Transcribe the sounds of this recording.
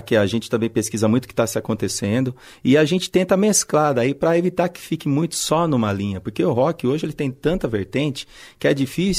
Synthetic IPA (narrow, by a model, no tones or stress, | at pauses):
kɪaʒẽnt͡ʃɪt̪ɐ̃mbẽj̃peskizɐmũj̃t̪ʊ̥kɪ̥t̪asɪakõnt̪esẽnd̪ʊ | ɪaʒẽnt͡ʃɪ̥t̪ẽnt̪ɐmesklad̪aipɾɐevit̪aɾkɪ̥fikɪmũj̃t̪ʊ̥sɔnũmɐlĩɲɐpoɾkeʊɦɔkɪoʒɪelɪt̪ẽj̃t̪ɐ̃nt̪ɐveɾt̪ẽt͡ʃɪ̥kɪɛd͡ʒifis